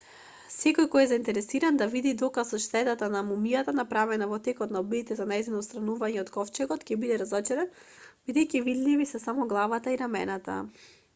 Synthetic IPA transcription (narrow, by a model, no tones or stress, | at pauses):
sɛkɔjkɔjɛzaint̪ɛɾɛsiɾand̪avid̪id̪ɔkasɔʃt̪ɛt̪at̪anamumijat̪anapɾavɛnavɔt̪ɛkɔt̪naɔbiit̪ɛzanajzinɔst̪ɾanuvaɲɛɔt̪kɔft͡ʃɛɡɔt̪cɛbid̪ɛɾazɔt͡ʃɛɾɛn | bid̪ɛjcivid̪livisɛsamɔɡlˠavat̪aiɾamɛnat̪a̰